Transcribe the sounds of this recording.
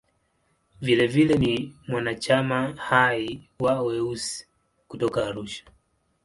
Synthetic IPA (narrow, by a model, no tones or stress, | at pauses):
vilɛvilɛnimwanat͡ʃamahai | wawɛusi̥ | kutɔkaːɾuʃḁ